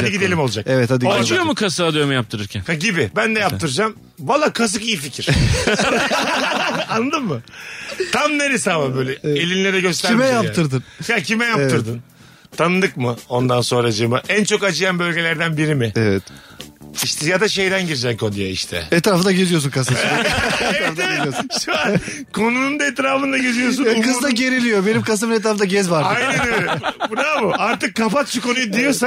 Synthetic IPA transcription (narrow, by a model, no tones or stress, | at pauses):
ad̪iɟid̪e̞lʲimo̞lˠud͡ʒakɛvɛt̪ad̪it͡ʃujomukʰasaːd̪ɯjomujap̚t̪ʰɯɾɯɾcʰænhaɟibɪbænd̪ɛjapt̪ɯɾɯd͡ʒam | valˠːaːkʰas̬ɯkijificʰiɾ̥ | anːˠɯd̪ɯmːɯt̪ʰamneɾisaːlambøːlʲɛelʲinlʲeɾɛɟø̞s̬t̪ʰæɾimɛjapp̪ːʰɯɾd̪ɯnjacʰimɛjat̪ɯɾd̪ɯn | t̪ʰanɯd̪ɯkmɯo̞nd̪anso̞nɾad͡ʒɯmɯʔænt͡ʃʰo̞kat͡ʃʰɯjanbø̞lʲɟe̞lʲæɾd̪ænbiɾimɪɛvɛt | iʃt̪ʰɛjad̪aʃe̞jd̪ænɟiɾd͡ʒɛnkʰo̞nujaiʃt̪ʰɛ̰ɛt̪ɾaːfɯnd̪aɟeɾijo̞s̬unkʰas | ɾafɯnd̪aɾosʃua | kʰo̞nunund̪aet̪ɾaːfɯnd̪aɟeɾijos̬unkɯzd̪aɟe̞ɾilʲijo̞benimkʰas̬ɯmbinet̪ɾaːfɯnaɟɛzvaɾajnnøɾbuɾamɯaɾt̪ɯkːapat̪t͡ʃʰɯko̞nujud̪ijosa